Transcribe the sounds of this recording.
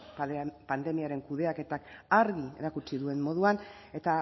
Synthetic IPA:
pand̪e̞miaɾe̞ŋkuðe̞ake̞t̪akaɾɣie̞̰ɾakut͡siðue̞mmo̞ð̞uan | e̞t̪a

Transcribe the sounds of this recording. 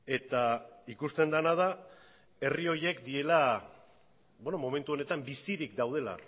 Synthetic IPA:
e̞t̪aikust̪e̞nd̪anað̞a | e̞rio̞je̞kd̪ie̞la | bonomo̞me̞nt̪uo̞ne̞t̪ambisiɾik̚d̪awð̞e̞la̰

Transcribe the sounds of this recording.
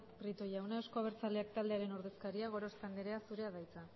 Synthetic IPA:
pɾit̪ojawnaesko̞aβ̞e̞ɾt͡sale̞ak̚t̪ald̪eaɾe̞no̞ɾðe̞skaɾiaɣ̞o̞ɾost̪end̪eɾe̞asuɾe̞aðajt͡sa

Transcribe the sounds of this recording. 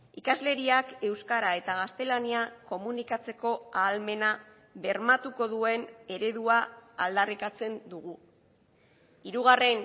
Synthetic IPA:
ikazle̞ɾiake̞wskaɾae̞t̪aɣ̞ast̪e̞laniako̞munikat͡se̞ko̞aːlme̞na | βe̞ɾmat̪uko̞ðue̞ne̞ɾe̞ðuaːld̪arikat͡se̞nd̪uɣ̞u | iɾuɣ̞are̞n

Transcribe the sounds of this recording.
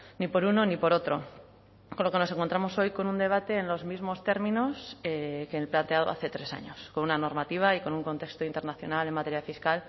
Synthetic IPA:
nipo̞ɾuno̞nipo̞ɾo̞t̪ɾo̞ | ko̞nlo̞keno̞se̞ŋko̞nt̪ɾamo̞so̞jko̞nund̪e̞β̞at̪e̞ːnlo̞zmizmo̞st̪e̞ɾmĩno̞sekeːlplant̪e̞aðo̞̰a̰θe̞t̪ɾe̞sa̰ɲo̞sko̞nunano̞ɾmat̪iβ̞aiko̞nuŋko̞nt̪e̞kst̪oint̪e̞ɾnaθjo̞̰nale̞mat̪e̞ɾjafiskal

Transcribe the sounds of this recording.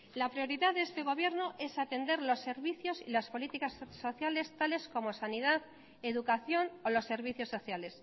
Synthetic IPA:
lapɾio̞ɾiðaðest̪e̞ɣ̞o̞β̞je̞ɾnoʔe̞sat̪e̞nd̪e̞ɾlo̞sːe̞ɾβiθjo̞sḭlaspo̞lit̪ikasːo̞θjale̞st̪ale̞sko̞mo̞saniðað | e̞ðukaθjo̞nolo̞sːe̞ɾβ̞iθjo̞sːo̞θjale̞s

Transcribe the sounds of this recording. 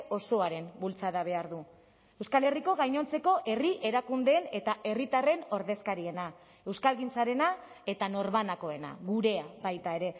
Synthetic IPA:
o̞so̞aɾe̞mbult͡saðaβ̞e̞aɾðu | e̞wskale̞riko̞ɣajɲo̞nt͡se̞ko̞ʔe̞riʔe̞ɾakund̪e̞ːne̞t̪aʔe̞rit̪are̞no̞ɾðe̞skaɾie̞na | e̞wskalɣint͡saɾe̞na | e̞t̪ano̞ɾβanako̞e̞na̰ɣuɾe̞abajt̪ae̞ɾe̞

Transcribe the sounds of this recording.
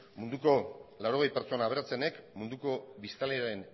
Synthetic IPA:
mund̪uko̞laɾo̞ɣ̞e̞jpeɾt͡so̞naːβ̞eɾat͡se̞ne̞kmund̪uko̞βist̪aleaɾen

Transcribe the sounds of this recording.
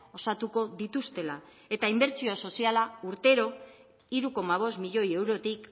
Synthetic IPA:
o̞sat̪uko̞ðit̪ust̪e̞la | e̞t̪aimbe̞ɾt͡sio̞so̞sialauɾt̪e̞ɾo̞ | iɾuko̞maβ̞o̞smiʎo̞je̞wɾo̞t̪ik

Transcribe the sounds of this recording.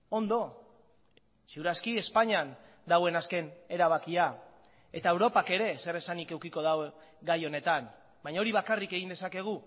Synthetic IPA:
o̞nd̪o̞ | seuɾaskie̞spaɲan | d̪awe̞naske̞ne̞ɾaβ̞akia | e̞t̪ae̞wɾo̞pake̞ɾe̞se̞ɾe̞sanike̞wkiko̞ðawɡajo̞ne̞t̪an | bajɲao̞ɾiβakarike̞ɣind̪e̞sake̞ɣ̞u

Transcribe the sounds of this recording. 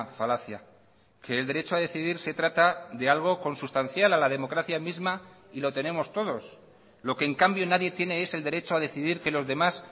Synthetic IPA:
falaθja | ke̞ːld̪e̞ɾe̞t͡ʃoaðe̞θiðiɾse̞t̪ɾat̪aðe̞alɣ̞o̞ko̞nsust̪an̟θjalalað̞e̞mo̞kɾaθjamizma | ilo̞t̪e̞ne̞mo̞st̪o̞ðo̞s | lo̞ke̞ːŋkambjo̞naðje̞t̪je̞ne̞e̞se̞ld̪e̞ɾe̞t͡ʃoaðe̞θiðiɾke̞lo̞zðe̞mas

